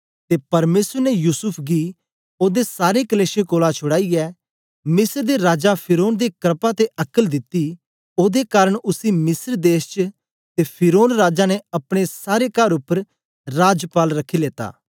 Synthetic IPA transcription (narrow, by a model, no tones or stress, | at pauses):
t̪epɐɾmeːsəɾnɛjuːsʊpʰɡi | oːd̪esaːɾekəleːʃẽkoːlat͡ʃʰʊɽaːiɛː | mɪsəɾd̪eɾaːd͡ʒapʰɪɾoːnd̪ekəɾpat̪eʔɐkəld̪ɪt̪ːi | oːd̪ekaːɾəɽ̃ʊsimɪsəɾd̪eːst͡ʃə | t̪epʰɪɾoːnɾaːd͡ʒanɛɐpɽ̃esaːɾekɐɾʊpːəɾ | ɾaːd͡ʒpaːlɾɐkʰːileːt̪a̰ː